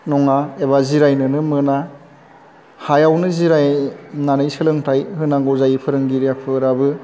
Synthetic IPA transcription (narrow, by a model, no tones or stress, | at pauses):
nɔŋaeβaziɾajnɯnɯmɯna | hajawnɯziɾajnanɯjsɯlɯŋtʰajhɯnaɡɔzajipʰɯɾɯŋɡiɾijapʰɯɾabɯ